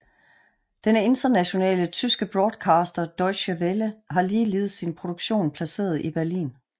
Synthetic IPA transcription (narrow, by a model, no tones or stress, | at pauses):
d̥ene̝nd̥ɐnæɕo̝nɛ̰ːlət͡sʰysɡ̥əb̥ʁɒːd̥kʰɑ̈ːsd̥ɐd̥ɒɪɕæʋeləɦɑ̈liːle̝ːð̩ˠsinpʰʁo̝d̥oɡ̥ɕo̝̰ːnpʰlæse̝̰ːɐð̞̩ˠib̥æɐlḭːn